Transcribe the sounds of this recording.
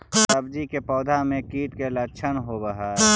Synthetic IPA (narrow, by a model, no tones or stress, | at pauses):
səbd͡ʒikepɔːd̪ʱamẽkiːʈkelət͡ʃʰənɦobəɦa